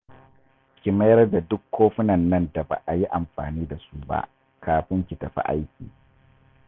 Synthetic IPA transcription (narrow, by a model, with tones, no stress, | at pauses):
kʲɪ˨mɐ˦jɐ˦rda˨dʊ˦kːoː˦ɸɪ˦nɐ˨nːɐ˦nda˨ba̰˨ʔa˨ji˦ʔa˨mɸa̰ː˨niː˦da˨su˦ba̰˦ʔ | kʰaː˨ɸɪ˦ŋkʲɪ˨tɐ˨ɸḭ˦ʔa̰˦jkʲḭː˨